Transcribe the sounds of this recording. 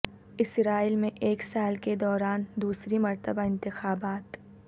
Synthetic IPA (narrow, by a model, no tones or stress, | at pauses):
ɪsɾaːiːlmẽʔeːksaːlked̪ɔːɾaːnd̪uːsɾimɐɾt̪əbaɪ̃nt̪ɪxaːbaːt̪